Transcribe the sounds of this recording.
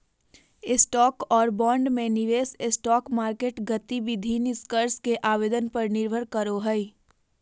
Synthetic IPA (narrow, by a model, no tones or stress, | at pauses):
ɪsʈɔːkɔːɾbɔ̃ːɳɖmẽnɪʋeːsɪsʈɔːkmaːɾkeːʈɡət̪iʋid̪ʱinɪskəɾskeʔaːweːd̪ənpəɾnɪɾbʱəɾkəɾoɦɛi